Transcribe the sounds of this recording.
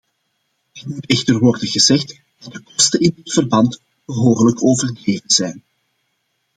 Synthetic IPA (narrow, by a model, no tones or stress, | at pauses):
ɛtmutɛxtərʋɔrdəɣəzɛxt | d̥ɑt̚dəkɔstənɪndɪtfərbɑnt | b̥əɦoːrələkʰoːvərdreːvənz̥ɛjn